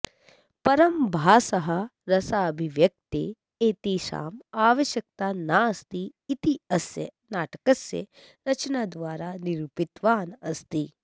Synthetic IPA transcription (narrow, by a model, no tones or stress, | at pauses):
pɐɾɐmbʱaːsɐɦɐ̆ɾɐsaːbʱiʋjɐk̚t̪ḛː | eːt̪iʃa̰ːmaːʋɐʃjɐk̚t̪aːnaɐst̪iːt̪iɐsjɐ̰ | naːʈɐ̥kɐsjɐ̰ | ɾɐt͡ʃɐnaːd̪ʋaːɾaːniɾuːpit̪ʋaːnɐst̪i